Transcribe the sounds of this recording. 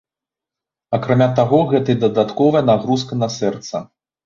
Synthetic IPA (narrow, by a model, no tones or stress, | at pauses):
ɐkɾamʲat̪aɣɔɣɛt̪ɨjd̪ɐd̪at̪kɔvɐjɐnaɣɾus̬kɐnɐsɛrt̪sɐ